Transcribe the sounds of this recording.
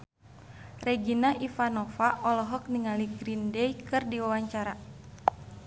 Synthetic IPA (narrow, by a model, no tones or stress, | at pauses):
rɛɡinaʔifanɔfaʔɔlɔɦɔk̚niŋaliɡɾindɛikɨrdiwawaɲt͡ʃaɾa